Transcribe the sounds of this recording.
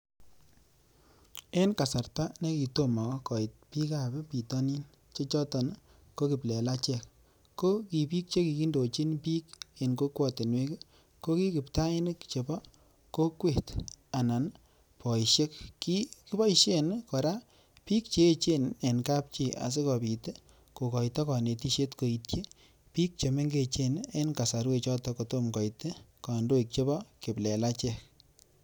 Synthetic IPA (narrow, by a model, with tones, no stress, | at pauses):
e˦nka˨sa˨ɾta˦ne˦ki˨to˦ma˨kkɔ˨ɪ˨t̚pi˦ka˨bɛ˦pi˨tɔ˦ni˦n | t͡ʃe˦t͡ʃɔ˦tɔ˨n | ko˦ki˨plɛ˨la˦t͡ʃɛ˨kː | o˦ki˨pi˦k̚t͡ʃe˦ki˨ki˦ndo˨t͡ʃi˦npi˦ke˨nko˦kwɔ˦˨te˨nwe˦k | ko˦ki˦kɪ˨pta˦ɪ˦n˦kt͡ʃe˨bɔ˦ | ko˦kwe˨ta˨na˨n | pɔ˨i˨ʃe˦k̚ːi˦ki˦bɔ˦iʃe˦nkɔ˨ɾa˦ | pi˦k̚t͡ʃe˨˦t͡ʃe˦ne˨nka˦p̚t͡ʃi˦˨a̰˨s̬e˦kɔ˨pi˨te˦ | ko˨kɔ˨jtɔ˦kɔ˨ne˨ti˦ʃe˦tko˨i˨t̚ke˦ | pi˦k̚t͡ʃe˨me˦ŋɡe˦t͡ʃe˦ne˦nka˨sa˨ɾwe˦t͡ʃɔ˦tɔko˨to˦mkɔ˨jte˦ka˨ndo˦ik̚t͡ʃe˦bɔ˦kɪ˨plɛ˨la˦t͡ʃɛ˦˨k